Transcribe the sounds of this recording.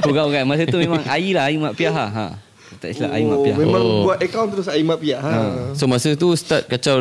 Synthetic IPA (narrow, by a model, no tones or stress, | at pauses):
uɡawɡanmas̬ət̪umẽmãŋailaɦaimaʔpiaɦahɦã̰ | t̪aʔsila̰ʔa̰imapiamẽmãŋbuat̪əkawnt̪əɾʊsaimaʔpiaɦasomasət̪ust̪at̪̚kat͡ʃaw